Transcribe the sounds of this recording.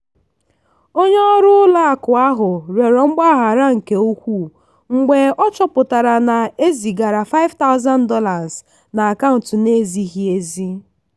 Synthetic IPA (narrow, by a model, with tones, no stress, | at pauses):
o˦ɲe˦ɔ˦ɾʊ˦ʊ˦la˦a˨kʊ˨a˦ɦʊ˨ɾe˨ɾɔ˨ŋ͡m̩˦ɡ͡ba˦ɦa˨ɾa˦ŋ̩˨ke˨u˦kʷu˦˨ | ŋ͡m̩˨ɡ͡be˨ɔ˦t͡ʃɔ˦pʊ˨ta˨ɾa˨na˨e˦zi˨ɡa˨ɾa˨fa˦ɪ˦vta˦ʊ˦za˦n̩˦dɔ˦la˨z | na˨a˨ka˦ʊ˨n˨tʊ˨ne˦zi˦ɦi˨e˦zi˦